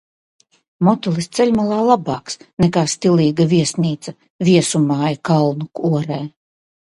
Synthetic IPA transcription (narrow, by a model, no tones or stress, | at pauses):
mɔt̪ulˠist̪sɛlʲmalˠaːlˠabaːksnɛkaːst̪iliːɡaviɛsniːt̪sa | vʲiɛsumaːjakalˠnukuɔɾɛː